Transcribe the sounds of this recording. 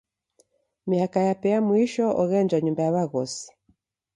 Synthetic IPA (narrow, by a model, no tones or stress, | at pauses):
miakajapɛamwiʃɔʔɔɣɛnd͡ʒaɲumbajaβaɣɔsi̥